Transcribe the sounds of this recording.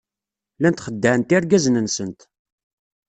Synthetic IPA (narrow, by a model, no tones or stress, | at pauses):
lænt̪χəd̪ːæʕnt̪iɾɡæznənsənt̪